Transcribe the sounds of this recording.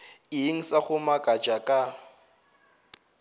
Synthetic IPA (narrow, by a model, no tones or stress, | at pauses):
ɪiŋ̩saɣʊmakʼat͡ʃʼakʼa